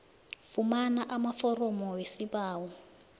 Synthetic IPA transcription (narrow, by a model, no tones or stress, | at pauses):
fumanaʔamafɔrɔmɔwesibaːwɔ